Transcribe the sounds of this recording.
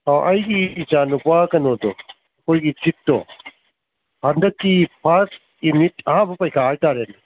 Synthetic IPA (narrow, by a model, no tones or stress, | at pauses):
aʔɐjɡiːt͡ʃanupakɐnodɔ | ɐkʰojɡit͡ʃitːdɔ̰ | hɐnd̪ɐkːipʰas | imitʰɐhãbɐpɐjkʰaajtaɾen